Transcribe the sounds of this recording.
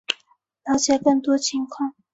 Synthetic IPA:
ljɑ˧˥ʊt͡ɕja˥˩kɤ˥˩ŋt̪wɔ˥t͡ɕʰi˧˥˦ŋkʰwɑ˥˨ŋ

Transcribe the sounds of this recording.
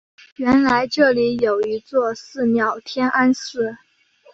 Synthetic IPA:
ɥɛ˧˥nla˧˥ɪʈ͡ʂɤ˥˩li˧˥jo˨˩ʊi˧˥t͡swɔ˥˧sɹ̩˥˩mjɑ˨˩ʊt̪ʰjɛ˥nʔa˥nsɹ̩˥˩

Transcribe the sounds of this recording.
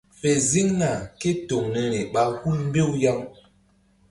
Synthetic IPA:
fe˨zi˦ŋna˨ke˦to˨ŋne˨ne˨ɓa˦hu˦lm˦be˦˨wja˦ŋ

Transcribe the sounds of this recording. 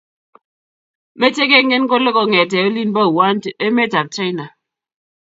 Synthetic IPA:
me˦te˦ke˦ŋe˦n˦ko˦le˦kɔ˨ŋe˨te˨o˦li˦n˦ba˦˨wa˦te˦me˦ta˨p̚t͡ʃa˦jna˨

